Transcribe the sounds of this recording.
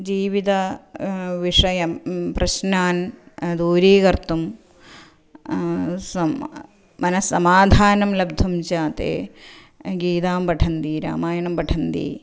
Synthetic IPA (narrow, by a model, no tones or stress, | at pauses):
d͡ʒiːʋit̪ɐ | ʋiʂɐjɐpɾɐɕnaːn | d̪uːɾiːɡɐɾt̪um | sɐ | mɐnɐsːɐmaːd̪ʱaːnɐmlɐb̚d̪ʱumt͡ʃaːt̪ḛː | ɡiːt̪aːmbɐʈʰɐnd̪iːɾa̰ːmaːjɐnɐmbɐʈʰɐnd̪ḭː